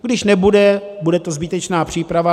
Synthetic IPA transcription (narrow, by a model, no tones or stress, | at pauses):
ɡdɪʃnɛbudɛbudɛt̪ozbɪt̪ɛt͡ʃnaːpr̝̥iːpɾava